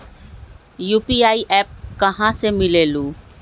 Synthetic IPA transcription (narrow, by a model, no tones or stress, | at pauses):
juːpiːaːiːʔɛːp̚kəɦãsemɪleːlũː